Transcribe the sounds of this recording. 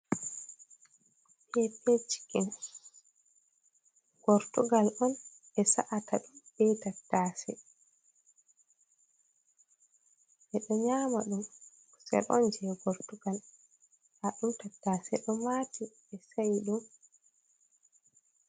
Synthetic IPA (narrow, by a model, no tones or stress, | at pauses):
pʰɛped͡ʒi̥kɛn | ɡ̥ɔɾtuɡalɔn | ɛsaʔatʰaɗumbɛtatːaːsɛ | ɓɛɗɔɲamaɗum | u̥sɛ̰lɔ̰nd͡ʒɛɡoɾtuɡal | haɗumtatːaːsɛ̰ɗɔmati | ɛsajiɗum